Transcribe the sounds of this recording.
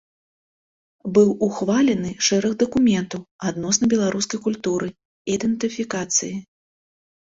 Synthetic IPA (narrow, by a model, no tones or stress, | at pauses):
bɨwuxvalʲɛnɨʂɛɾɐɣd̪ɐkumʲɛnt̪ɐwad̪nɔsnɐbʲɛlˠaɾuskɐjkulʲt̪uɾɨ | id̪ɛnt̪ɨfʲikat̪sɨji